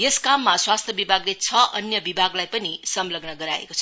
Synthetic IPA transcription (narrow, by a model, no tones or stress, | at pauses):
jeskamːaswast̪ʰjʌbibʱaɡlet͡sʰʌʔʌnjʌbibʱaɡlajpʌnisʌmlʌɡnʌɡʌɾaḛkot͡sʰʌ